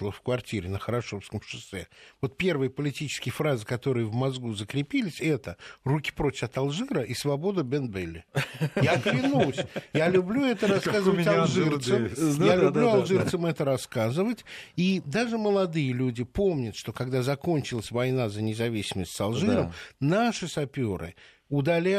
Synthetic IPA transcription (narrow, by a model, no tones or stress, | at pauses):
lˠofkvɐrtʲiɾʲɪnəxəɾɐʂofskəmʂɨsɛ̰vo̞t̪̚pʲe̞rvɨjəpəlʲɪtʲit͡ɕɪ̥skʲɪjəfɾazɨkɐt̪o̞ɾɨjəvmɐzɡuzəkɾʲɪpʲilʲɪsʲɛt̪ərukʲɪ̥pɾotʲɪfɐt̪ɐlˠʐɨɾəʔisvɐbo̞d̪əbʲɛnbelʲːɪjaklʲɪnusʲjalʲʊblʲuɛt̪əɾɐskkazɨvətʲalˠʐɨrt̪səjalʲʊbluɐlˠʐɨrt̪səmɛt̪əɾɐskazɨvətʲid̪aʐɨməlˠɐd̪ɨjəlʲudʲɪpo̞mnʲət̪ʂt̪o̞kɐɡd̪azɐko̞nʲt͡ɕɪlˠəsʲvɐjnazənʲɪzɐvʲisʲɪməsʲtʲsɐlˠʐɨɾəmnaʂɨsɐpʲo̞ɾɨ̰ | ʊd̪ɐlʲa